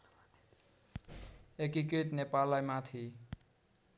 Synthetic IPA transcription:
ekikɾit̪nepalːajmat̪ʰi

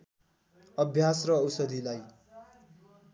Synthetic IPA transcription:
ʌbʱjasrʌːwsʌd̪ʱilaj

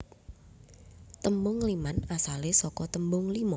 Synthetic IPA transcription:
t̪əmbʊŋlimanasalesɔkɔt̪əmbʊŋlimɔ

